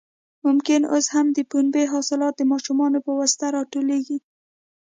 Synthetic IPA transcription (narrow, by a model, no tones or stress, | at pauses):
mʊmkɪnoshamd̪əpunbeɦɑsɪlɑt̪̚d̪əmɑʃumɑnopəwast̪aɾɑʈoleɡi